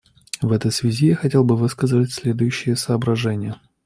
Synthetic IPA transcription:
vɛt̪əjsvʲɪzʲijaxɐtʲelˠbɨvɨskəzɨvətʲsʲlʲe̞d̪ʊjʉɕːɪjəsəːbɾɐʐɛnʲɪjə

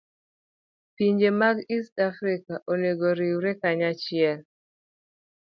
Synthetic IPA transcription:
piɲd͡ʒemaɡistafɾikaʔoneɡoɾiwɾɛkaɲat͡ʃɪɛl

